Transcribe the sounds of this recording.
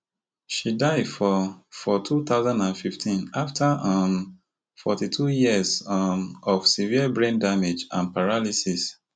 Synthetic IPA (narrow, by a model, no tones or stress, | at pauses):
ʃidaɪdfɔfɔtʰut̪aʊzãndãnfiftʰĩnaftʰaʌm | fɔ̰titʰujiəzmɔfsiviəbɹẽndamed͡ʒã̰npaɹalisis